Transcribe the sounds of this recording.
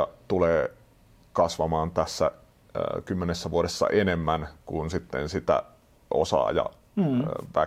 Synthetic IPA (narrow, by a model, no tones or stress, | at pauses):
ɑt̪uleː | kɑsʋɑmɑːnt̪æsːæ | kymːenesːæʋuoɾesːɑ̰ʔenemːænkunsit̪ːḛnsit̪æ̰ | o̰sɑ̰ːjɑ̰ | ʋæ